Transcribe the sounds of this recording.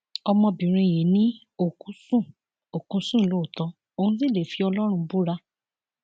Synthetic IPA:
ɔ˧mɔ̃˧bĩ˨ɾ̃ĩ˧˨je˨˦nĩ˦ | o˦˨kũ˨˦sũ˦˨ | o˨kũ˨˦sũ˦˨lo˨˦˨tɔ˧˦ | o˧nũ˦s̬i˦˨le˨fi˨˦ɔ˧lɔ˦ɾ̃ũ˧bu˦ɾa˦˧

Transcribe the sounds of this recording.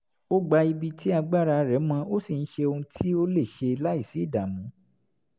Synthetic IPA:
o˦ɡ͡ba˧i˧bi˧tʰi˦a˧ɡ͡ba˦˨ɾa˧ɾɛ˨˦mã˧o˦si˦˨ñ̩˦ʃe˧o˧ũ˧tʰi˦o˦le˦˨ʃe˧la˦i˦˨si˨˦˨da˨mũ˨˦

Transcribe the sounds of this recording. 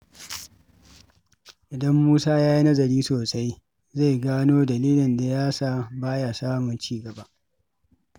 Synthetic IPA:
ʔɪ˨dɐ˦mːuː˦saː˦jaː˦ji˦nɐ˦zɐ˨ɾiː˦soː˨sa˦j | za˦˨jɡaː˦noː˦dɐ˨liː˦lɪ˨nda˨jaː˦saː˦˨baː˦jaː˨saː˦mʊ˨nt͡ʃiː˦ɡɐ˨ba˦ʔ

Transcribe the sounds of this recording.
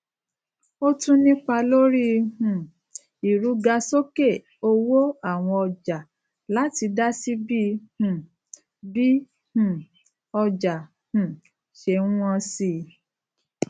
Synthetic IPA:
o˦tũ˦nĩ˦k͡pa˧lo˦ɾi˦hũ˨ | i˨ɾu˨˦ɡa˧so˦ke˦˨ | o˧wo˦a˦˨w̃ɔ̃˧ɔ˧d͡ʒa˨ | la˨˦ti˧da˦si˦bi˦hũ˨ | bi˦ | hũ˨ | ɔ˧d͡ʒa˨ | hũ˨ | ʃe˧nũ˦ɔ̃˧si˧˨

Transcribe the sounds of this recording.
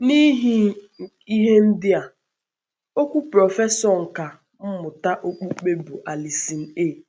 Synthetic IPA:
ni˦ɦi˦ | i˦ɦe˦n̩˦dɪ˦a˨ | o˦kʷu˦pɾɔ˨fe˦sɔ˨ŋ̩˨ka˨ | m̩˦mʊ˨ta˦ʔo˦k͡pu˦k͡pe˦bu˨ʔa˨li˨si˨n̩˦eː˦˨

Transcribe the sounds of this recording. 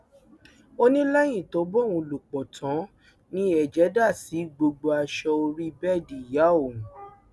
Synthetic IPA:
o˦nĩ˦lɛ˦j̃ĩ˦˨to˨˦bɔ˦˨w̃ũ˧lu˨k͡pɔ˨tʰã˨˦ | nĩ˦ɛ˦˨d͡ʒɛ˨˦da˦˨si˨˦ɡ͡bo˧ɡ͡bo˧a˧ʃɔ˧o˧ɾi˦bɛ˦˨di˨ja˨˦˨o˨m̃˨

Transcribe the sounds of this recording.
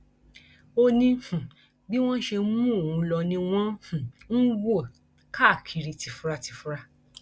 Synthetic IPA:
o˧nĩ˧hũ˨ | bi˦w̃ɔ̃˦ʃe˧˦mũ˦o˦˨ũ˨˧lɔ˧nĩ˧w̃ɔ̃˦hũ˨n̩˦wo˦˨ | kʰa˦˨kʰi˨˧ɾi˧ti˨˧fu˦ɾa˧ti˧fu˦ɾa˧

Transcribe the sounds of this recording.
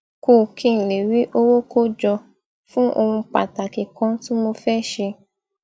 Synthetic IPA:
ko˧˨kʰĩ˦˨le˨wi˨˦ʔo˦wo˦ko˦˨d͡ʒɔ˧ | fũ˦ʔo˧wũ˧k͡pa̰˨ta˨ki˨kã˧˦tũ˦mo˧fɛ˦˨ʃe˧

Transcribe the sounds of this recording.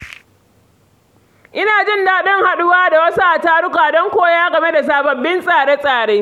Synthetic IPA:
ʔɪ˦naː˨d͡ʒɪ˦ndaː˨ɗɪ˦ŋha˨ɗʊ˦waː˦da˨wɐ˦su˦ʔa˨taː˦ɽʊ˦kaː˨dɔ˦ŋkʷoː˦jaː˦ɡɐ˨me˦da˨s̬aː˨bɐ˨bːɪ˦nsʼaː˨ɽe˦sʼaː˨ɽeː˦

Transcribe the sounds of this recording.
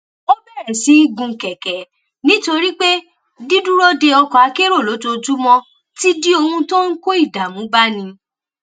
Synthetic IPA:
o˦bɛ˦˨ɾɛ˨si˨˦i˦˨ɡũ˧˨kɛ˨kɛ˨˦ | nĩ˦to˧ɾi˦k͡pe˦ | di˦du˦ɾo˦de˧ɔ˧kɔ˨a˨˧˦ke˦ɾo˦˨lo˨˦d͡ʒo˧d͡ʒu˦mɔ̃˦ | ti˦di˦o˧hũ˧tõ˦ŋ̩˦ko˦i˦˨da˨mũ˨˦ba˦nĩ˧

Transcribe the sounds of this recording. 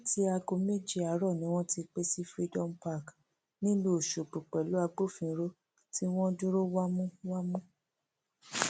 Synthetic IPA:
ti˦a˧ɡo˧me˦d͡ʒi˦˨a˨˦ɾɔ˦˨nĩ˨˦w̃ɔ̃˦ti˧k͡pe˦si˦fɾi˧dɔ˦m̩pa˦˨k | nĩ˦lu˦o˨ʃo˨k͡pu˨k͡pɛ˨lo˦a˧ɡ͡bo˦˨fĩ˨˧˦ɾo˦ | ti˦w̃ɔ̃˦du˦ɾo˦wa˦mũ˦wa˦mũ˦

